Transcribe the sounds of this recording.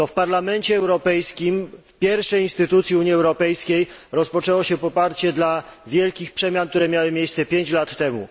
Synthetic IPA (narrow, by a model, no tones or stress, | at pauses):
t̪ɔfpaɾlamɛnt͡ɕɛːwɾɔpɛjskʲimfpʲjɛɾfʂɛjinst̪ɘt̪ut̪sʲjiuɲjiɛwɾɔpɛjskʲejɾɔspɔt͡ʂɛwɔɕɛpɔpaɾt͡ɕɛd̪lavʲjɛlkʲixpʂɛmʲjank̚t̪uɾɛmʲjawɘmʲjejssɛpʲjeɲt͡ɕlat̪ːɛmṵ